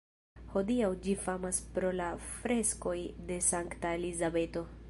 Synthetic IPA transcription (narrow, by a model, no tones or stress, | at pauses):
ho̞d̪iawd͡ʒifamaspɾo̞lafɾe̞sko̞jd̪e̞saŋkt̪aelizabe̞t̪o̞